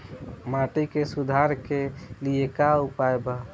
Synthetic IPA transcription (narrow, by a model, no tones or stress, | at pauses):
maʈikesud̪ʱaɾkeliekaupaeba